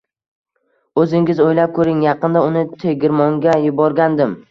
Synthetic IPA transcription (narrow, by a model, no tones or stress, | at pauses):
ɵzɪŋʲɪzojlap̚kʰɵɾɪŋjɑqɨnd̪aʊnɪt̪ʰeɡʲɪɾmɒŋɡʲajɪbɒɾɡʲand̪ɪm